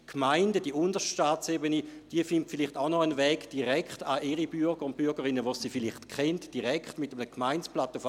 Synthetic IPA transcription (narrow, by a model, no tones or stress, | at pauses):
kʰmaɪndəd̥iəʊndəʃʃtaːt͡sebənid̥iəfɪntfiliχtaʊnɔənvɛːɡ̥d̥iʁɛkχtaʔiʁibyɐɡ̥əʁʊnt̚pyɐɡəʁinːəʋosiːfiliχtkχɛntd̥iʁɛkχtmɪtəmənəkmaɪnt͡splatəf